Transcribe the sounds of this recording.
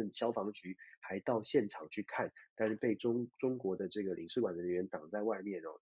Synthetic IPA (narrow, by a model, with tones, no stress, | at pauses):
ə˥˩nɕjɑ˥ʊfɑ˧˥ŋt͡ɕy˧˥xa˧˥ɪt̪ɑ˥˧ʊɕjɛ˥˨˩nʈ͡ʂʰɑ˨˩ŋt͡ɕʰy˥˧kʰa˥˩nt̪a˥˧nɻ̩˥˧pe˥˩ɪʈ͡ʂʊ˥ŋʈ͡ʂʊ˥ŋkwɔ˧˥d̪ə˧ʈ͡ʂɤ˥˩ɡə˩li˨˩ŋʂɻ̩˥˩kwa˨˩nd̪ə˧˥˧ɥɛ˧˦˥nt̪ɑ˨˩ŋt͡sa˥˧ɪwa˥˧ɪmjɛ˥˩nɔ̰˩